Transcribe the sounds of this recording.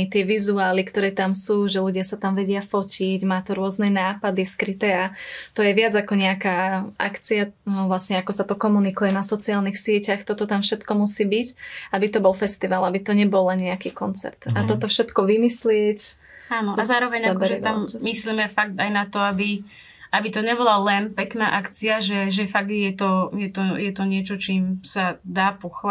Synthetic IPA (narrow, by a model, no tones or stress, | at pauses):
t̪ɪɛʋizuaːlikt̪ɔɾɛːt̪amsuːʒɛluɟɪasat̪amʋɛɟɪafɔciɟmaːt̪ɔɾʊɔznɛnaːpad̪iskɾit̪ɛːat̪ɔjɛʋɪad͡zakɔɲɛakaːʔakt͡siaʋlasɲɛakɔsat̪ɔkɔmunikujɛnasɔt͡siaːlnixsɪɛcaxt̪ɔt̪ɔt̪amfʃɛt̪kɔmusiːbicabit̪ɔbɔlfɛst̪iʋalabit̪ɔɲɛbɔlːɛnɲɛakiːkɔnt͡sɛ̰ɾt̪at̪ɔt̪ɔfʃɛt̪kɔʋimislɪɛc | aːnɔazaːɾɔʋɛɲabɛɾiamːisliːmɛfak̚t̪ajnat̪ɔabi | abit̪ɔɲɛbɔlalɛnpɛkna̰ːʔakt͡siaʒɛʒɛfaɡ̪̚jɛt̪ɔjɛt̪ɔjɛt̪ɔɲɪɛt͡ʃɔt͡ʃiːmsad̪aːpɔxʋ